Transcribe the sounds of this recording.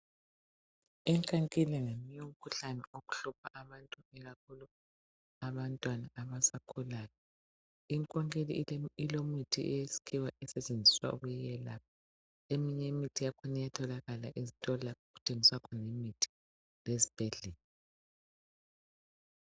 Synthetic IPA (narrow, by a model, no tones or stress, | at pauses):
ɛŋkʼaŋkʼilɛŋemiɲom̩kʰuɬanɛoɣu̥ɬupʰaʔaβantʼuɛɣakʰulu | aβantʼwanaʔaβasakʰulaːjɔ | iŋkʼɔŋkʼeliilomitʰiʔɛjesi̥kʰiwaɛsɛt͡ʃʼend͡zʱiswa̰ʔṵɣujɛjɛlak̚ɔ | emiɲemitʰijakʰɔnijatʰɔlaɣalaʔizitʼɔlaoɣutʰeŋiswakʰɔnemitʰi̥ | lezib̥ʱɛɮɛːlɔ